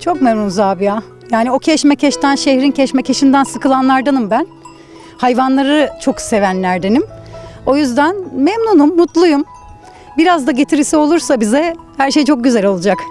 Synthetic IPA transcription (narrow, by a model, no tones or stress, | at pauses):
t͡ʃʰo̞kmɛmnunzaːbija | jaːnio̞cʰɛʃmɛcʰɛʃt̪ʰænʃehɾincʰɛʃmɛcʰeʃind̪ænsɯkɯlˠanlˠaɾd̪anɯmbæn | hajvanlˠaɾɯt͡ʃʰo̞kse̞vænlʲæɾd̪e̞nimo̞jyzd̪ænmɛmnunumːut̪lˠujum | biɾazd̪aɟe̞t̪ʰiɾisio̞lˠuɾsabizɛ | hæɾʃe̞jt͡ʃʰo̞k̚ɟyzɛlʲo̞lˠud͡ʒak